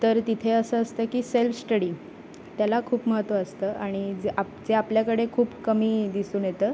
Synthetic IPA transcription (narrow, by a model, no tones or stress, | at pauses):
t̪əɾt̪it̪ʰeəsəːəst̪əkiːselfəsʈəɽiː | t̪jalakʰuːpməɦət̪ʋəəst̪əːʔaɽ̃id͡zʔapd͡zeapljakəɽekʰuːpkəmiːd̪isuːnjet̪əː